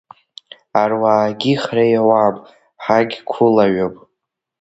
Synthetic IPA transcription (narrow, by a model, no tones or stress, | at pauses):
arwaːɡʲiχrajawapʼ | ħaɡʲkʷʰʊlaɥopʼ